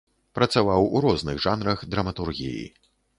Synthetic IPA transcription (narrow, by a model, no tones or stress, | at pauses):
pɾɐt̪savawuɾɔznɨɣʐanɾɐɣd̪ɾɐmɐt̪urɣʲḭjḭ